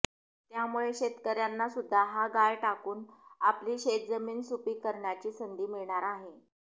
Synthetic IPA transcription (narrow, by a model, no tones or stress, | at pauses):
t̪jamuɭeɕet̪kəɾjanːasud̪ʱːaɦaɡajʈakuːnapliːɕet̪̚d͡zəmiːnsupiːkəɾɳjat͡ɕiːsənd̪ʱiːmiɭɳaɾaɦe